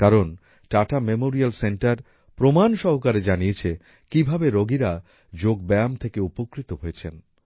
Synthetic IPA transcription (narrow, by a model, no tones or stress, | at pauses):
kaɾon | ʈaʈamemoɾialseɳʈaɾ | pɾomanʃɔɦokaɾed͡ʑaniet͡ɕʰe | kibʱabeɾoɡiɾa | d͡ʑoɡbɛamt̪ʰekeupokɾit̪oɦojet͡ɕʰen